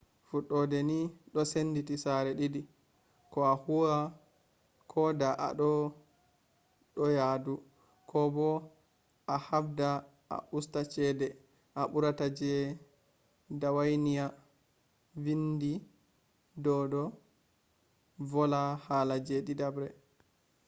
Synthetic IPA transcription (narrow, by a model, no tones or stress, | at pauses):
fuɗːɔdɛniɗɔsenditisaɾɛɗidi | kɔahua | kʰɔdaʔa̰ɗɔ | ɗɔjadu | kʰɔbɔ | ʔahafda | ʔa̰ʔustat͡ʃɛːdɛ | ʔaɓuɾatad͡ʒɛ | dawajnija | vindi | dɔdɔ | vɔlahaːlad͡ʒɛɗidabɾɛ